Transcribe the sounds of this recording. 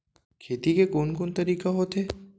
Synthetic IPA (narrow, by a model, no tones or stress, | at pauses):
kʰeːt̪ikekoːnkoːnt̪ɐɾiːkaɦoːt̪eː